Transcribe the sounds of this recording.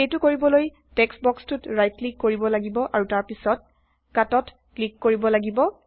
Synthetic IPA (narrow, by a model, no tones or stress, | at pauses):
ejtʊkoɹibɔloj | tɛksbɔkstʊtɹajtlikːoɹibɔlaɡibɔʔaɹutaɹpisɔt̚ | katɔt | klikːoɹibɔlaɡibɔ